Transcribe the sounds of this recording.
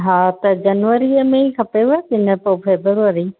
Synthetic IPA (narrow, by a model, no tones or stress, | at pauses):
ɦãːt̪ɐd͡ʑɐnʋəɾiəmẽikʰɐpeat̪ɪnəpopʰeːbɾʋəɾi